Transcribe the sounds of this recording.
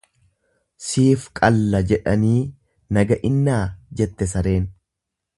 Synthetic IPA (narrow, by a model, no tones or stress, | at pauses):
siːfkʼɐlːɐd͡ʒɛᶑɐniː | nɐɡɐʔɪnːaːd͡ʒɛt̪ːɛs̬ɐɾe̞ːn